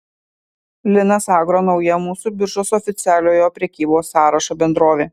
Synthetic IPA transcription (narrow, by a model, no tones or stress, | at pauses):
lʲɪnɐsɑːɡɾoːnɒʊjɛmuːsʊbʲɪɾʒosɔfʲɪt̪sʲæːlʲoːjoːpʲɾʲɛkʲiːboːsːɑːɾɐʃɐbʲɛnd̪ɾoːʋʲeː